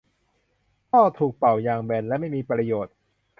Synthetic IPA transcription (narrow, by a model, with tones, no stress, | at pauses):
kʰɔː˥˩t̪ʰuː˨˩k̚pa˨˩wjaː˧ŋbɛː˧nlɛ˦˥ma˥˩jmiː˧pɾa˧joː˨˩t̪̚ | kʰ